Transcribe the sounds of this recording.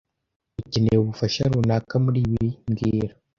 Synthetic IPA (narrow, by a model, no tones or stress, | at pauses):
ucineuβufaʃaɾunakamuɾiβiiŋɡiːɾa